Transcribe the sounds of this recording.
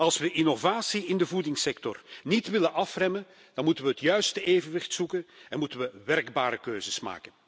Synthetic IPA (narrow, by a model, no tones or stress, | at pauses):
ɑlˠsʋəʔɪnovaːsiɪndəvudɪŋsɛktɔrnitʋɪlənʔɑfrɛmən | d̥ɑnmutənʋəɦətjœɥstəʔeːvənʋɪxtsukənɛnmutənʋəʋɛrɡbaːɾəkøːzəsma̰ːkən